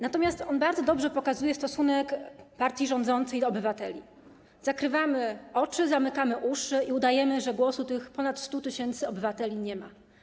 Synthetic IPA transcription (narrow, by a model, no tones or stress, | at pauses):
nat̪ɔmʲjast̪ɔnbaɾd̪zɔd̪ɔbʐɛpɔkazujɛst̪ɔsunɛkpaɾt̪ʲjiʐɔnd̪zɔnt̪sɛjd̪ɔɔbɘvat̪ɛlʲḭ | z̥akɾɘvamɘɔt͡ʂɘzamɘkamɘʔuʂɘʔiud̪ajɛmɘʐɛɡwɔsut̪ɘxpɔnat̪st̪ut̪ɘɕɛnt̪sɘɔbɘvat̪ɛlʲiɲɛma